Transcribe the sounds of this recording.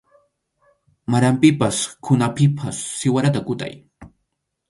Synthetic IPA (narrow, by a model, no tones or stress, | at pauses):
maɾampɪpaskʰʊnapɪpʰasːɪwaɾat̪akʊt̪a̰j